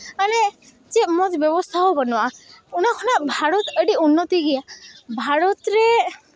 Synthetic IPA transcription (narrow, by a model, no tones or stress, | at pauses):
ane | t͡ʃemɔd͡ʒbjɔbɔst̪ʰaɦobənɔwaunakʰɔnabʱaɾɔt̪əɖiunːɔt̪iɡijabʱaɾɔt̪ɾe